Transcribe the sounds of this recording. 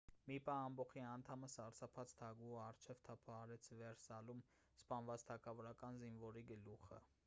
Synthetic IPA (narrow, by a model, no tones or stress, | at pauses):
mipɑːmbɔχiɑnt̪ʰɑməsɑɾsɑpʰɑt͡sʰt̪ʰɑɡuɑrt͡ʃʰɛvt̪ʰɑpʰɑɑɾɛt͡sʰvɛɾsɑlum | spɑnvɑt͡st̪ʰɑkʰɑvɔɾɑkɑnzinvɔɾiɡəluχə̰